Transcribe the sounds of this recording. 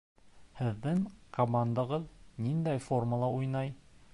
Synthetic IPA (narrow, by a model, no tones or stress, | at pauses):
hɘ̆ðːɘŋkomand̪ɑ̆ʁɤðnind̪æjfo̞rməlˠɑʔujnɑj